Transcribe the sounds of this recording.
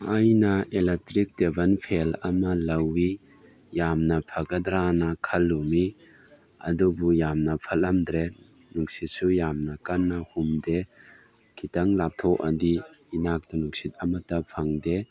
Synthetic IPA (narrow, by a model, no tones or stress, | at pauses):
ʔɐjnɐelek̚tɾik̚debɐnpʰelɐmɐlɐwːi | jamnɐpʰɐɡɐd̪ɾanɐkʰɐlːumi | ɐ̰dubujamnɐpʰɐlɐmd̪ɾe | nuŋsisujamnɐkɐnːɐhumde | kʰitɐŋlap̚t̪ʰɔʔɐdi | inak̚tɐnuksit̪̚ɐmɐtɐpʰɐŋde